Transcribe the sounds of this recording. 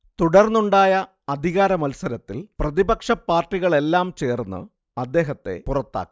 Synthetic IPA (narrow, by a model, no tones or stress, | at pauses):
t̪uɽɐrnːuɳɖaːjɐ | ɐd̪ʱiɣaːɾɐmɐlsɐɾɐt̪ːilprɐðibɐkʂɐpːaːrʈːiɣɐɭe̞lːaːmt͡ɕe̞ːrnːɨ̰ | ɐd̪ːe̞ːɦɐt̪ːe̞̰purɐt̪ːa̰ːkːi̥